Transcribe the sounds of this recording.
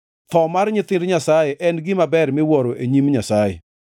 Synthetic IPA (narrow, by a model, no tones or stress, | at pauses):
t̪ɔmarɲɪt̪ɪndɲasajeʔɛnɡɪmabɛɾmɪwɔɾoʔeɲimɲasajḛ